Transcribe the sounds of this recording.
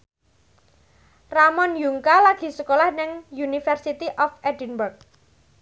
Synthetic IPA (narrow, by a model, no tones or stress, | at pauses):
ramɔnjuŋkalaɡ̥i̤səkolahnɪŋjunifɛrsit̪iʔɔfɛdinbərk̚